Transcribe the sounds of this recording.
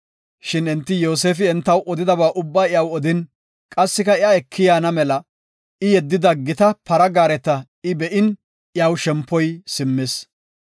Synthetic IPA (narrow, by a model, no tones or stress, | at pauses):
ʃɪnɛnt̪ːɪjo̞ːs̬eːfɪɛnt̪ːɐwʔɔd̪ɪd̪ɐbaːʔʊbːaːɪjɐwɔd̪ɪn | kʼɐsːɪkɐɪaɛkʰːɪjaːnɐmɛlɐ | ɪjɛd̪ːɪd̪ɐɡɪt̪ɐpɐɾɐɡaːɾɛt̪ːɐ | ɪbɛʔɪn | ɪjɐwʃɛmpːɔjsɪmːɪs